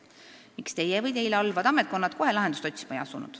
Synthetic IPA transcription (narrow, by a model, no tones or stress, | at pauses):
mikst̪e̞jevɤjt̪e̞jleolvɑd̪ɑmet̪̚ko̞nːɑd̪̥ko̞ɦe̞lɑɦed̪ust̪o̞t̪ʲːsi̥mɑjɑsunṵd̪̥